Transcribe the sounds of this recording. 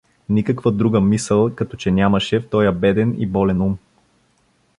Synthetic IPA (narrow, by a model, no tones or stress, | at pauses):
nikəkvəd̪ɾuɡəmisəlˠkɐt̪ɔt͡ʃɛnʲamɐʃɛft̪ɔjəbɛd̪ɛnḭbɔlɛnum